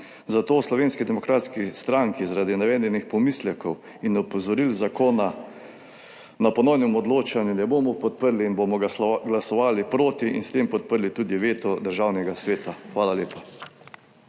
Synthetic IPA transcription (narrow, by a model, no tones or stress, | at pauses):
zat̪oːslɔʋeːnskid̪ɛmɔkɾaːt̪skist̪ɾaŋkizaɾaːd̪inɛʋɛːnd̪ɛnixpɔmislɛkɔw | inɔpɔzɔɾilzakoːna | napɔnɔwnɛmɔd̪loːt͡ʃanjunɛboːmɔpɔt̪pəɾliːnboːmɔɡlasɔʋaːlipɾoːt̪iḭnst̪empɔt̪̚pəɾlit̪uːd̪iʋeːt̪ɔd̪əɾʒawnɛɡasʋeːt̪axʋaːlaleːpa